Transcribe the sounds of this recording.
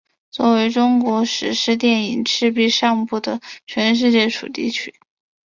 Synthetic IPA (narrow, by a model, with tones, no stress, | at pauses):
t͡swɔ˥˩we˧˥ɪʈ͡ʂʊ˥ŋkwɔ˧˥ʂɻ̩˨˩ʂɻ̩˥˧t̪̬jɛ˥˩ni˨˩ŋʈ͡ʂʰɻ̩˥˧pi˥˧ʂɑ˥˧ŋpu˥˩d̪ə˩t͡ɕʰɥɛ˧˥nʂ̬ɻ̩˥˧t͡ɕjɛ˥˩ʈ͡ʂʰṵ˨˩t̪ḭ˥˩t͡ɕʰy˥